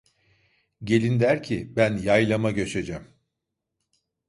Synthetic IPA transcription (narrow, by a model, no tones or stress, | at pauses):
ɟe̞lʲind̪æɾcʰibænjajlˠamaɟøt͡ʃe̞d͡ʒæm